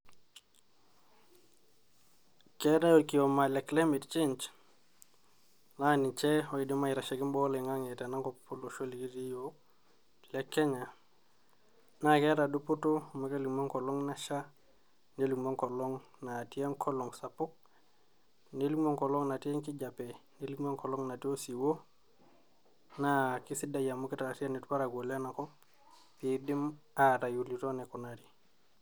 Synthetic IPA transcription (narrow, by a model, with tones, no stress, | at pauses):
kɛ˦ɾa˦jo˨ki˨o˨ma˨lɛ˨kle˦mi˨tt͡ʃe˦nt͡ʃ | na˦nɪ˨t͡ʃɛ˦ɔ˨i˨di˦ma˦ɪ˨ɾa˨ʃɛ˨kɪ˦mbɔ˦le˨ŋa˦ŋe˨ta˨na˦ŋkɔ˨ppu˦lo˨ʃo˦li˨ki˦ɾi˦jo˦ | lɛ˦kːɛ˦ɲa˨ | na˦kɛ˦ɾa˨du˦pu˦to˦ma˦ke˦li˨mo˦ŋkɔ˨lɔ˦ŋna˦ʃa˦ | ne˦li˨mo˦ŋko˨lo˦ŋ | na˨ti˦e˦ŋkʰɔ˦lɔ˨ŋsa˨pu˦k̚ | ne˦li˦mo˦ŋko˨lo˦ŋna˨ti˦e˦ŋki˦ɟa˨pe˨ne˦li˦kmo˦ŋko˨lo˦ŋna˨ti˦o˦si˨wo˦ | naki˦si˦da˨ja˨mo˦ki˦ta˨la˨ti˦a˦ni˨tpa˦ɾa˨ɡo˨le˦na˨ko˦ | pi˨di˦maɾa˨ju˨li˨to˦ne˨ku˨na˨ɾi˨